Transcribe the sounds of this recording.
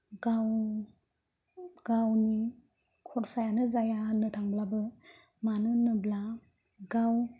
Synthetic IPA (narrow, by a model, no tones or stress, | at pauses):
ɡaw | ɡ̥awni | kʰɔɾsajanɯzajanɯtʰaŋblabɯ | manɯnɯbla | ɡaw